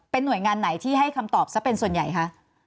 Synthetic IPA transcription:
pe˧nːu˨˩əjŋaː˧nːa˩˦jt̪ʰiː˥˩ɦa˥˩jkʰa˧mt̪ɔː˨˩p̚sa˦˥pe˧nsu˨˩ənja̰˨˩jkʰa˦˥ʔ

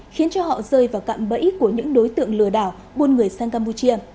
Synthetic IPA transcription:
xi˨˦ənt͡ɕɔ˧hɔ̰˧˨zəː˧jvaː˨˩wka̰ː˧˨mɓə̰˧˥jku˧˩əɲɨ̰˧˥ŋɗo˨˦jt̪ɨ̰˧˨əŋlɨ˧˩əɗaː˧˩w | ɓo˧nŋɨ˨˩əjsaː˧nkaː˧mpu˧t͡ɕi˧ə

